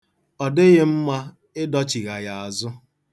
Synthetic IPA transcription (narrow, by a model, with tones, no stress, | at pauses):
ɔ˨dɪ˦ɣɪ˦m̩˦ma˦ | ɪ˦dɔ˦t͡ʃi˨ɣa˨ɣa˨a˨zʊ˦